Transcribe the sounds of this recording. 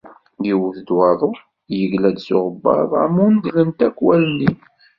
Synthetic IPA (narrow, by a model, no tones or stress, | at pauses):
jiwəθd̪wɑðˤʊ | jəʝlæd̪sʊ̰ʁəbːɑ̰ðˤa̰mːund̪ləmt̪ækːwælni